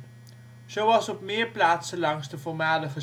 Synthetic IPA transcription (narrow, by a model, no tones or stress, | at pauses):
sowɑsɔpmiərplaːtsəlɑŋsdəfɔrmaːləχə